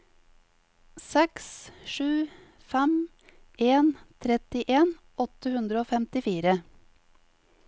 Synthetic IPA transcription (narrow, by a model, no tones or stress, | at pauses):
sɛksʃʉː | fɛm | eːnt̪ʰɾɛt̪ɪʔeːn | ɔt̪əhʉnd̪ɾəoːfɛmt̪ɪfiːɾə